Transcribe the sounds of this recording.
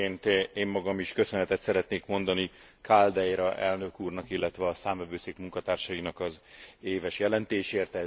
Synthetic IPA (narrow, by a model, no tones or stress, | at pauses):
eːnt̪eːmːɒɡɒmiʃkø̞sønɛt̪ɛt̪sɛɾɛt̪neːkmo̞nd̪ɒnikʰald̪ɛjɾɒʔɛlnø̞kuːrnɒkilːɛt̪ʋɛɒsaːmvɛvøːseːkmuŋkɒt̪aːrʃɒinɒkɒzeːvɛʃjɛlɛnt̪eːʃeːrt̪ɛ